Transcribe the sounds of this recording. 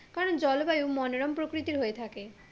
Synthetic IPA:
kaɾond͡ʑɔlbajuwmɔnoɾɔmpɾokɾit̪iɾɦoet̪ʰake

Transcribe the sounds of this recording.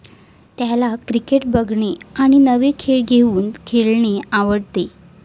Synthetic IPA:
t̪jalakɾikeʈbəɡɳeaɽ̃inəʋekʰeɭɡʱeuːnkʰelɳeaʋəɽt̪e

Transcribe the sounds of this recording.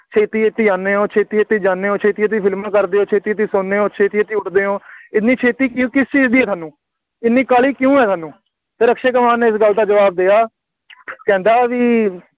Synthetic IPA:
t͡ʃʰeːt̪iːeːt̪ːiːaːnːeːɦõːt͡ʃʰeːt̪iːeːt̪iːd͡ʒãːnːeːõːt͡ʃʰeːt̪iːeːt̪̬iːpʰɪlmãːkəɾd̪eːõːt͡ʃʰeːt̪iːt̪iːsʊnːeːɦõːt͡ʃʰeːt̪iːet̪iːʊʈd̪eːɦõːɪnːiːt͡ʃʰeːt̪iːkũːkɪst͡ʃiːzd̪iːɛːt̪ʰaːnːũː | ɪnːiːkaːliːkjũːɛːt̪ʰaːnũː | t̪eːɾəkʃeːkəmaːnːeːɪsɡəld̪aːd͡ʒəʋaːb̚d̪ejaː | kɛ̃ːnd̪aːʋiː

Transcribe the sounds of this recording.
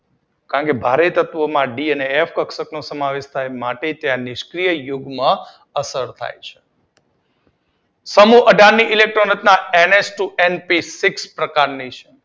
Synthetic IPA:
kaɾəɳkebʱaɾet̪ət̪ʋəmãɖiəneːfkəksəknosəmaʋeʃt̪ʰajmaʈet̪jãnɪʃkɾijəjoɡmã | əsəɾt̪ʰa̰jt͡ʃʰe̥ | səmuʔəɖaɾnːiʔɪlek̚ʈɾonət̪naenesʈuʔenpisikspɾəkaɾnit͡ʃʰe

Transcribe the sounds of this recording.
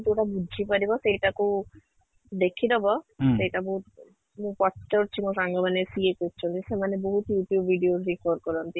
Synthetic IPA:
t̪oʈabudʱipaɾibɔsejʈako | d̪ekʰid̪ebɔsejʈaboɦut̪̚ | mũpɔsʈɔɾt͡ɕʰimũsaŋɡabanesiekoɾt͡ɕʰonesemaneboɦut̪juʈjubːʱiɖiozɾikʰoɾkɔɾont̪i

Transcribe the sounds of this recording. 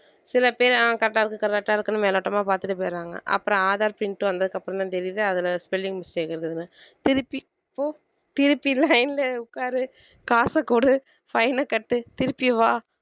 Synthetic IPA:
sɪlɐpeːɾãːkɐɾɐʈːaːɪɾɯkːɯkɐɾɐk̚ʈːaːɪɾɯkːɯnːɯmeːloːʈːɐmaːpaːɾt̪ɯʈːɯpeːɾaːŋɡɐ̰ʔɐ̰pːɯɾɔ̃aːðaːɾpɪɳʈːɯʋɐnd̪ɐðɯkːɐpːɯɾɔ̃t̪ãːt̪ɛɾɪðɯɐðɪlɐspɛlːɪŋɡmɪst͡ʃeːkɐɾɯkːɯðɯnːɯt̪ɪɾɯpːi | pːoː | t̪ɪɾɯpːilɐɪnɪlɐʊkːaːɾɯ | kaːsɐkuːɽɯ | fɐɪnɐkɐʈːɯt̪ɪɾɯpːiʋaː

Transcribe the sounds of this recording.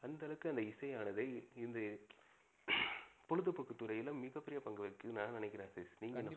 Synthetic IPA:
ɐnd̪ɐlɐkːɯɐnd̪ɐɪsɐjaːnɐðɐɪɪnd̪ɐ | pɔɻɯðɯpɐkːɯt̪ːɯɾɐjɪlɐmːɪɣɐpːɪɾɪjɐpɐŋɡɐʋɐkːɯnãːnɪnɛɪkːɪɾẽːsesniːŋɡɐn

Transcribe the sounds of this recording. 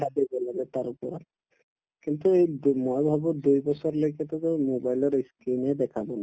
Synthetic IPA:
ad̪ebɔlaɡɛt̪aɹpɔɹa | kint̪uejmojbʱabud̪ujbɔsɔɹlojkɛt̪ɔtɔmobajlɔɹiskinɛdɛkʰabɔna

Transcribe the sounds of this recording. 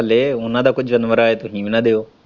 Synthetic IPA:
əleːʊnãd̪aːkʊd͡ʒʱʋənʋəɾaːet̪oɦĩːmnad̪eːoː

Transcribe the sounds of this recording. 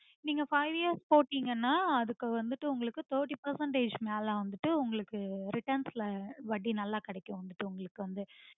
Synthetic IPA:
niːŋɡɐfɐɪʋijɐɾspoːʈːiːŋɡɐnːaːɐðɯkːʋɐnd̪ɯʈːɯʊŋɡɐɭɯkːɯt̪oːʈːipɐɾsɐɳʈeːd͡ʒmaːlãːʋɐnd̪ɯʈːɯʊŋɡɐɭɯkːɯɾɪʈɐɾnsɪlɐʋɐɽinɐlːaːkɐɽɛkːʊ̃ʋɐnd̪ɯʈːɯʊŋɡɐɭɯkːɯʋɐnd̪ɯ

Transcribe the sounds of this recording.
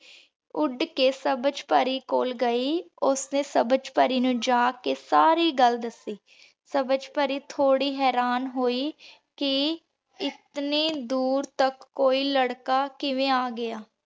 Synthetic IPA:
ʊɖkeːsəbəd͡ʒpəɾiːkoːlɡəiːʊsnẽːsəbəd͡ʒpəɾiːnũːd͡ʒaːkeːsaːɾiːɡəld̪əsiː | səbəd͡ʒpəɾiːt̪ʰoːɽiːɦɛːɾaːnɦoːiː | kɪ | ɪt̪niːd̪uːɾt̪əkːoːiːləɽkaːkɪʋẽːaːɡɪaː

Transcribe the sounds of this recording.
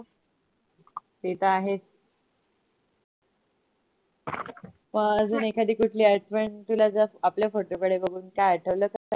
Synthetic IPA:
t̪et̪aːɦes | məɡəd͡zuːnekʰad̪iːkuʈʰliːaɾʈʰpəɳt̪ulad͡zəapljafoʈokəɽebəɡʱuːnkajaɾʈʰəʋləːkəsa

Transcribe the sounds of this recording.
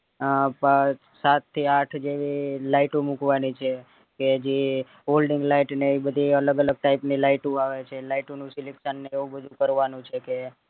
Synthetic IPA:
pa | sat̪ʰːiaʈʰd͡ʒeʋilaiʈũmukʋanit͡ʃʰe | ked͡ʒe | ɦolɖiŋɡlaiʈneibəd̪ʱiələɡələɡ̚ʈaipnilaiʈũaʋet͡ʃʰelaiʈonũsilekʃənːeeũbəd̪ʱũkəɾʋanũt͡ʃʰeke

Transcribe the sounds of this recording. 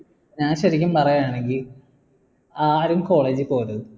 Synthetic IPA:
ɲaːnɕɐɾik̬ʲːumpɐrɐjɐjaːɳe̞ŋɡil | aːɾumko̞ːɭeːd͡ʑɨpo̞ːɾɐðu

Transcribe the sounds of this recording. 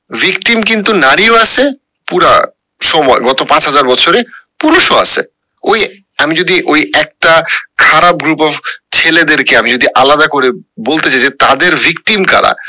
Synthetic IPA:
vʱikʈimk̬int̪unaɾioasʰe | puɾa̰ | ʃɔmɔeɡɔt̪opãt͡ɕɦad͡ʑaɾbɔt͡ɕʰoɾepuɾuʃoa̰sʰḛ | oj | amid͡ʑod̪iʔojɛk̚ʈakʰaɾab̚ɡɾupɔbt͡ɕʰeled̪eɾkeamid͡ʑod̪iʔalad̪akoɾebolt̪et͡ɕajd͡ʑet̪ad̪eɾvʱikʈimka̰ɾa̰

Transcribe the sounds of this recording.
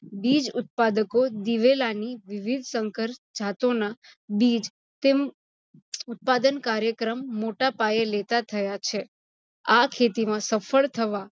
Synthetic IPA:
bid͡ʒʊt̪̚pad̪əkod̪iʋelaniʋiʋid̪ʱsəŋkəɾd͡ʒʱat̪onabid͡ʒ | t̪em | ʊt̪̚pad̪ənkaɾjəkɾəmːoʈapajelet̪at̪ʰəjat͡ʃʰe | akʰet̪imãsəfʰəɭt̪ʰəʋa

